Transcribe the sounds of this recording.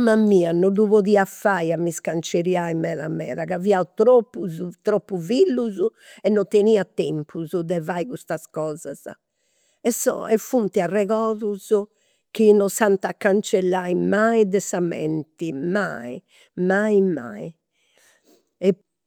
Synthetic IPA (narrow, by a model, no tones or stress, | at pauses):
mamːiːanɔðuβoðiafajamːiskant͡ʃeɾiaimɛːɾa̰mːɛ̰ːɾaɣaviaut̪ɾopːuzut̪ɾopːuvilːuzu | ɛnːɔt̪eniːat̪ɛmpʰuzuðɛvaiɣust̪askɔːzaza̰ | ɛsːɔ̰ɛfunt̪iarɛɣɔːðuzu | kinɔsant̪akːant͡ʃɛlːajmaiðɛsamɛ̰nt̪ima̰i | maima̰i | ɛ